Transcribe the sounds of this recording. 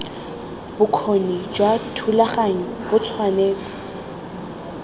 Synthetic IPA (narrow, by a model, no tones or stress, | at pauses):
b̥ʊkʰonid͡ʒwatʰulaχaŋ̩bʊt͡sʰwaneːt͡sɪ̥